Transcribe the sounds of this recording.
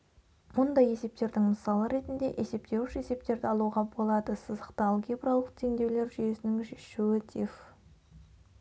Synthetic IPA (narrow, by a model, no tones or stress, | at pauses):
mʊnd̪ɑje̞se̞p̚t̪e̞ɾd̪ɪŋməsɑlˠəɾe̞t̪ɪnd̪e̞̰ʔe̞se̞p̚t̪e̞wɪʃe̞se̞p̚t̪e̞ɾd̪ɪɑlˠuʁɑbo̞lˠɑd̪əsəzəqt̪əɑlˠkʲʰebɾɑlˠəq̚t̪ʰe̞ŋd̪e̞wle̞ɾʒʏje̞sɪnɪŋʃuwɪt̪ʰif